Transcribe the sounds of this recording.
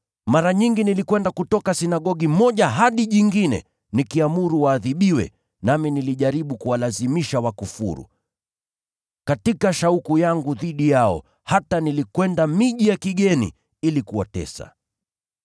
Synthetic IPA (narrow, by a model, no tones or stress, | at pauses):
maɾaɲiŋɡinilikwɛndakutɔkasinaɠɔɠimɔʄaɦaɗiʄiŋɡinɛ̰ | nikiamuɾuwaːðiɓiwɛ̰ | naminiliʄaɾiɓukuwalazimiʃawakufṵɾṵ | katikaʃaukujaŋɡuðiɗijaɔ̰ | hatanilikwɛndamiʄijakiɡɛnḭ | ilikuwa̰tɛ̰sa̰